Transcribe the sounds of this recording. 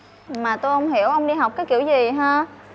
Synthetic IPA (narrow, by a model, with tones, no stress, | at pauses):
maː˨˩t̪o˧jhə˧wŋ͡mɦi˧˩˨əwʔə˧wŋ͡mɗi˧ɦa˨˩wk͡p̚kaː˨˦jkḭ˧˨əwzi˨˩ɦaː˧